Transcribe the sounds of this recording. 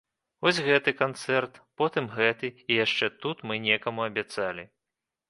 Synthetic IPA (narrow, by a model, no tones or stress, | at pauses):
vɔsʲɣɛt̪ɨkant̪sɛrt̪pɔt̪ɨmɣɛt̪ɨijaʂt͡ʂɛt̪ut̪mɨnʲɛkɐmuɐbʲat̪salʲi